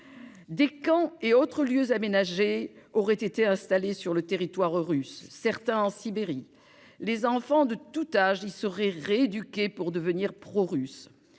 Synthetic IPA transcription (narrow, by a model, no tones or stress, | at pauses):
d̪ekɑ̃eot̪χəljøzamenaʒeɔʁɛt̪et̪eɛ̃st̪alesyʁlət̪eʁit̪waʁʁysːɛʁt̪ɛ̃ɑ̃sibeʁi | lezɑ̃fɑ̃d̪ət̪ut̪aʒilsəʁɛʁeed̪ykʲepuʁd̪əvəniʁpχɔʁys